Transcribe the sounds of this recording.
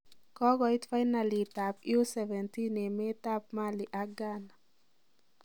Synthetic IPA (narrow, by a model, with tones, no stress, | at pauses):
kɔ˦ɡɔ˨jt̪fa˦jna˨li˨t̪a˨pju˦sɛvɛ˨nt̪i˦ne˨me˦t̪a˦p̚ma˦li˨ʔa˦ɡa˦na